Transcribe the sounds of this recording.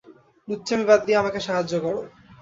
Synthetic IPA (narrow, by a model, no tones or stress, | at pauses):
nutːɕʰamibad̪ːiamakeʃaɦad͡ʑːokɔɾo